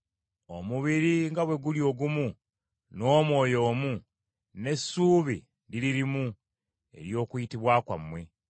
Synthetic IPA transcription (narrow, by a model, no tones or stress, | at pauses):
o̰muβiɾiŋɡaβwe̞ɡuljo̞ːɡumu | no̞ːmwo̞ːjo̞ːmu | ne̞sːuːβḭ | ɾiɾiɾimu | e̞̰ɾjo̞ːkujitiβwaːkwa̰mwe̞